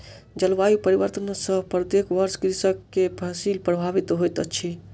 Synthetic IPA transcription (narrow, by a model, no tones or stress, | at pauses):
d͡ʒəlʋajupəɾiʋəɾt̪ənsə̃pɾət̪ekʋəɾskɾisəkːepʰəsilpɾəbʱaʋit̪ɦojt̪ət͡ʃʰi